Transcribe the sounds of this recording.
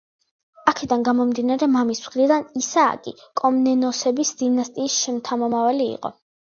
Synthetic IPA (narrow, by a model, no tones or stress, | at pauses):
akʰɛd̪anɡamɔmd̪inaɾɛmamismʁɾid̪anisa̰ːkʼḭkʼɔmnɛnɔsɛbisd̪̥inast̪ʼiːsʃɛmt̪ʰamɔmavalḭːqʼɔ̰